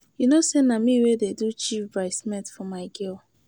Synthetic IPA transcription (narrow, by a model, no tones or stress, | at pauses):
junosenamiwededut͡ʃibɹaɪsmɛtfɔmaɪɡil